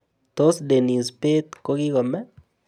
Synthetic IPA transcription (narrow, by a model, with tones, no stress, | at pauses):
t̪o˦sde˨ni˨spe˦t̪ko˦ɡi˦kɔ˨mɛ˦